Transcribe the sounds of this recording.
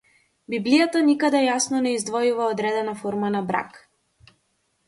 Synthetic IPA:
biblijat̪anikad̪ɛjasnɔnɛizd̪vɔjuvaɔd̪ɾɛd̪ɛnafɔɾmanabɾa̰k

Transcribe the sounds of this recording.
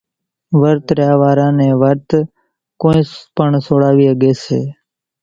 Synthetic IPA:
ʋəɾt̪ɾjaːʋaːɾãːnẽːʋəɾt̪ | kõːẽːpəɳsoːɽaːʋiːəɠeːsḛː

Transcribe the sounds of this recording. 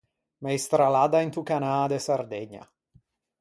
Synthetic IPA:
mejst̪ɾalad̪aint̪ukanad̪esaɾd̪eɲa̰

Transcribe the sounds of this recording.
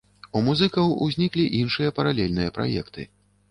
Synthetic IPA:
umuzɨkɐwuzʲnʲiklʲiʔinʂɨjɐpɐɾalʲɛlʲnɨjɐpɾa̰jɛ̰kt̪ɨ̰

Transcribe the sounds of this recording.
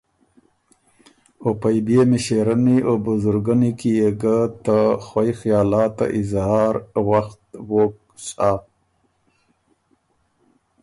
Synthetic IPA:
opajbemiʃeɾaniobʊzʊɾɡanikijeɡat̪axwajxijɑːlɑːt̪a̰ʔɪzhɑːɾwaxt̪wok̚ | sa

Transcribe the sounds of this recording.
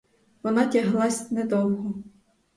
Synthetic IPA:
ʋɔnɑtʲaɦlˠɑsʲnɛd̪ɔwɦɔ

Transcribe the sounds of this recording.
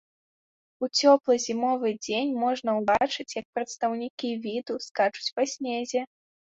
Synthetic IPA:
ut͡sʲɔplˠɨzʲimɔvɨd͡zʲenʲmɔʐnɐwbat͡ʂɨt͡sʲjɐk̚pɾɐt̪st̪ɐwnʲikʲivʲid̪uskat͡ʂu̥t͡sʲvasʲnʲezʲɛ

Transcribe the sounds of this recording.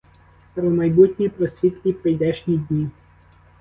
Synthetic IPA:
pɾɔmɐjbut̪ʲnʲipɾɔsʲʋʲit̪kʲipejd̪ɛʃnʲid̪ʲnʲi

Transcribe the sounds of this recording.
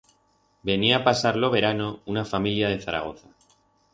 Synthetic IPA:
be̞niaːpasaɾlo̞βe̞ɾano̞unafamiljað̞e̞θaɾa̰ɣ̞o̞θa

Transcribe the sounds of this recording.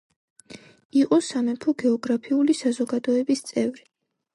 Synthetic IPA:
iqʼɔsamɛpʰɔɡɛɔɡɾapʰiulisazɔɡad̪ɔɛbist̪sʼɛvɾi

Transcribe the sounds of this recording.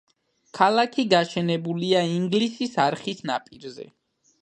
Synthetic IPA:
kʰalˠakʰiɡaʃɛnɛbuliaiŋɡlisisaɾχisna̰pʼiɾzɛ̰

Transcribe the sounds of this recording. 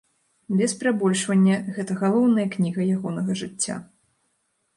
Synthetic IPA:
bʲɛspʲɾabɔlʲʂvɐnʲːɐɣɛt̪ɐɣalˠɔwn̪ɐjɐknʲiɣɐjaɣɔnɐɣɐʐɨt͡sʲːa̰

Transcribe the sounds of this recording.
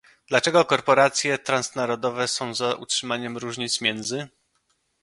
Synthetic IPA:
d̪lat͡ʂɛɡɔkɔɾpɔɾat̪sʲjɛt̪ɾãnsnaɾɔd̪ɔvɛsɔ̃w̃zaʔṵtʂɘmaɲɛmɾuʐɲit̪smʲjɛnd̪zɘ

